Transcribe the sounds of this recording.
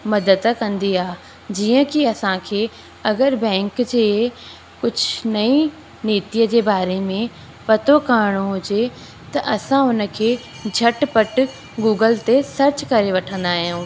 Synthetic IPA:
mɐd̪əd̪kɐ̃nd̪iaː | d͡ʑiːə̃kiɐsãkʰeː | ɐɡəɾbɛ̃ːŋkd͡ʑeː | kʊd͡ʑʱnɐĩ | neːt̪ijəd͡ʑeːbaːɾemẽ | pɐt̪okaːɾɽ̃oɦʊd͡ʑe | t̪ɐʔɐsãʊnə̆kʰeː | d͡ʑʱɐʈpɐʈ | ɡuːɡəlt̪esɐɾt͡ɕkɐɾeʋɐʈʰə̃nd̪aːɦɪjũː

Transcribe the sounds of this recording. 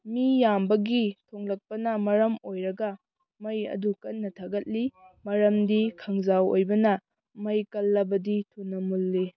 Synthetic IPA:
mijambɐɡitʰoŋlɐk̚pɐnɐmɐɾɐmojɾɐɡɐ | mɐjɐ̰dukɐnːɐtʰaɡɐt̚limɐɾɐmdikʰɐŋzawo̰jbɐnɐ | mɐjkɐlːɐbɐditʰunːɐmulːi

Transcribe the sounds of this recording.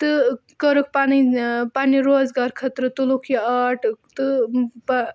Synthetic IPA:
t̪ɨkəɾok̚panipaniɾoːd͡zɡaɾkʰɐt̪ɾɨt̪ulokʰjiaʈʰt̪ɨpa

